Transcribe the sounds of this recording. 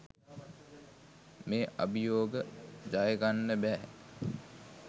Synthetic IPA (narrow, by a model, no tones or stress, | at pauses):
meːʔa̰bijoːɡəd͡ʒajəɡanːəbæː